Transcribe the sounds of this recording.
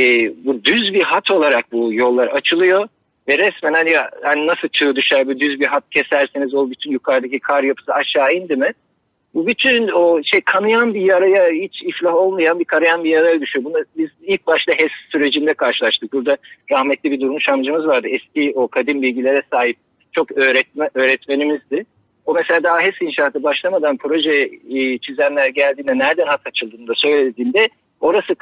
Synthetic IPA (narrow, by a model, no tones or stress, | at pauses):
ɛːbud̪yzbiɦat̪ʰo̞lˠaɾak̚bujo̞lˠːaɾat͡ʃʰɯlˠɯjo̞ | vɛɾɛsmenanjahaninasɯlˠt͡ʃʰɯɯd̪yʃæɾbud̪yzbiɦat̪̚cʰe̞sæɾsenizobyt̪ʰynjukʰaɾd̪acikʰaɾjapʰɯ̥sɯaʃaːind̪imɪ | bubyt̪ʰynoʃejkʰanɯjanbijaɾajahit͡ʃʰiflʲaɦo̞lˠmajanbikʰaɾajanbijaɾajad̪yʃyjo̞bunabizilʲc̚baʃlˠaɦɛsːyɾe̞d͡ʒind̪ɛkʰaɾʃɯlˠaʃt̪ʰɯk̚buɾd̪aɾahmɛt̪lʲibid̪uɾumuʃamd͡ʒɯmɯzvaɾd̪ɯɛscio̞kʰad̪imbilʲɟilʲe̞ɾɛsaːɦip̚ | t͡ʃʰo̞køɾɛøːɾɛt̪me̞nimizd̪ɪ | o̞mɛselʲaːd̪aɦaɦɛsinʃaːt̪ʰɯbaʃlˠamad̪anpʰɾo̞ʒɛt͡ʃʰizænlʲæɾɟælʲd̪iːnd̪ɛnæɾd̪ænhat̪at͡ʃʰɯlˠd̪ɯːnd̪asø̞jlʲed̪iːnd̪ɛ | o̞ɾasɯ